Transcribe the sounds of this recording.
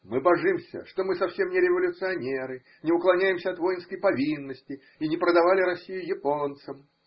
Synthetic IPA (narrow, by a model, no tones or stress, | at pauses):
mɨbɐʐɨmsʲə̰ʂt̪o̞mɨsɐfsʲe̞mnʲɪɾʲɪvəlʲʊt̪sɨɐnʲeɾɨ | nʲɪʊklˠɐnʲæjɪmsʲəɐt̪vo̞jɪnskəjpɐvʲinːəsʲtʲɪ | inʲɪpɾəd̪ɐvalʲɪɾɐsʲːijʊjɪpont̪səm